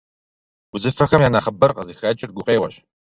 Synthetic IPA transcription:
ʊzɨfɐxɐmjaːnaːχɐbɐrqɐzixɐːt͡ʃʼɪrɡʷʊqeːwɐɕ

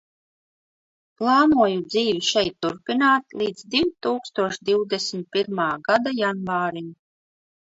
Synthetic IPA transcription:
plˠɑːnuɔjud̪ziːvʲiʃɛjt̪ːuɾpʲinaːt̪lˠiːd̪zd̪iwt̪uːkst̪uɔʃd̪iwd̪ɛsmʲt̪̚pʲiɾmaːɡad̪ajanvaːɾim

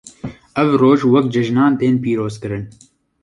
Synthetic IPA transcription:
ɛvroːʒwɐkd͡ʒɛʒnɑːnt̪eːnpiːɾoːzkɨɾɨn

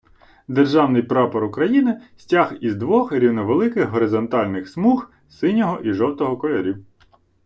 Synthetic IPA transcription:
d̪erʒɑwnɪjpɾɑpɐɾʊkɾɐjinɪsʲtʲaxizd̪ʋɔxɾʲiwnɔʋelˠɪkɪxɦɔɾɪzɔnt̪ɑlʲnɪxsmux | sɪnʲɔɦɔʔiʒɔwt̪ɔɦɔkɔlʲɛɾʲiw

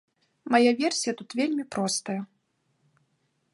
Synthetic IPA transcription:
majavʲɛrsʲijɐt̪ut̪vʲelʲmʲipɾɔst̪ɐjɐ

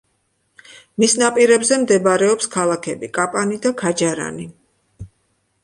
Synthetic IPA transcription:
misnapʼiɾɛbzɛmd̪ɛbaɾɛɔpskʰalˠakʰɛbikʼapʼanid̪akʰad͡ʒaɾa̰ni

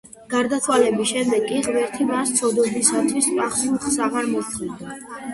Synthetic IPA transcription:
ɡ̥aɾd̪at̪ʰwalɛbisʃɛmd̪ɛɡiʁvɛɾt̪ʰimast̪sʰɔd̪ɔd̪isat̪ʰwisvɾaχsuχsaʁaɾmɔt̪ʰʼid̪a

